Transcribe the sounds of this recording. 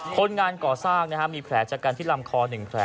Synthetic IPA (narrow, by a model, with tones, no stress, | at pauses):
kʰo˧nŋaː˧nkɔː˨˩saː˥˩ŋna˦˥kʰa˦˥miː˧pʰɾɛː˩˦˥t͡ɕaː˨˩kːaː˧nt̪ʰiː˥˩la˧mkʰɔː˧nɯ˨˩ŋpʰɾɛ˩˦